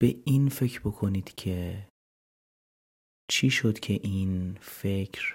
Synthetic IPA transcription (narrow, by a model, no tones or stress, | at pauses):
b̥e̞iːnfe̞cɾbo̞kʰo̞niːd̪̥cʰe | t͡ʃʰiːʃod̪̥cʰe̞ʔiːnfe̞cʰɾ